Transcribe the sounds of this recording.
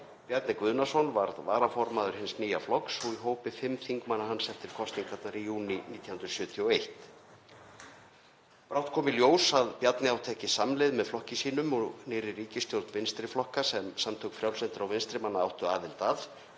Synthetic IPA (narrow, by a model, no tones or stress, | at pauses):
pjat̪nɪkvʏːðnasownvaɾðvaːɾafɔɾmaðʏɾ̥hɪnsniːjaflɔksɔɣiɦoːwpɪfɪmːθiŋkmanːaɦanːsɛft̪ːɪɾ̥kʰɔst̪niŋkʰat̪naɾijuːniniːt̪ʰjahʏnɾʏ̥sjʏːt̪ʰiɔejht̪ | pɾawht̪̚kʰɔːmɪljoːwsaðpjat̪nɪawt̪ʰɛːhcɪsamlɪðmɛðflɔhcɪsiːnʏmɔɣnɪːɾɪriːcɪst̪jowlt̪nvɪnst̪ɾɪflɔhkasɛmsamt̪ʰowkfɾjawlsɛnt̪ɪɾawvɪnst̪ɾɪmanːaawht̪ʏaːðɪlt̪aːl